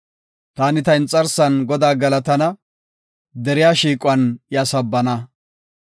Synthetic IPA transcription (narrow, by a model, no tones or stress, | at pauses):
t̪aːnɪt̪ɐɪnt͡sʼɐɾsɐnɡɔd̪aːɡɐlɐt̪ɐnɐ | d̪ɛɾɪjaːʃiːkʼʊwɐnɪjasɐbːɐnɐ